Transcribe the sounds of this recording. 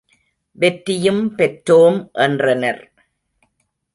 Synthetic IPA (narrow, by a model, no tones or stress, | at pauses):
ʋɛʈɾɪjɯmpɛʈɾoːmʔɛndrɐnɐ̰ɾ